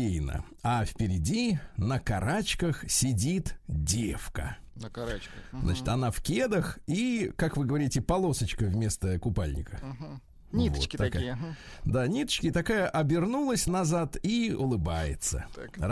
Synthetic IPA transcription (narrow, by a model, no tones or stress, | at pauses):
ejnə̰ | afpʲɪɾʲɪdʲinəkɐɾat͡ɕkəxsʲɪdʲit̪dʲefkə̰ | zna̰t͡ɕɪ̥t̪ɐnafkʲed̪əxikakvɨɡəvɐɾʲitʲɪpɐlˠo̞sət͡ɕkəvʲmʲe̞st̪əkʊpalʲnʲɪ̰kə | nʲitvott̪ːk | d̪anʲit̪ə̥t͡ɕkʲɪt̪ɐkajəʔɐbʲɪrnulˠəsʲnɐzat̪iʊlˠɨbajɪ̰t̪sə̰